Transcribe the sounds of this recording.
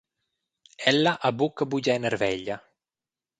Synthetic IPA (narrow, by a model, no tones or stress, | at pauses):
ɛlːaʔabukːabuɟɛnɛrvɛʎːa